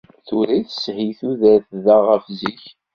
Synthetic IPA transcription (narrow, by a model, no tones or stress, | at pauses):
θuɾiθəshiθuðæθðæʁəfziç